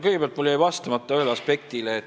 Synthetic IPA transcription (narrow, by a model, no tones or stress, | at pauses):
kɤjɡepeɑlt̪mulːejivɑst̪ɑmɑtt̪ˑːɑøːlɑspe̞k̚t̪ileːt̪